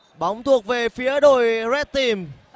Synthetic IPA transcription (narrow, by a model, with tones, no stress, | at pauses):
ɓa˨˦wŋ͡mt̪ʰu˨˩ək̚ve˨˩fi˨˦əɗo˧˨jzɛ˦˥t̚t̪i˨˩m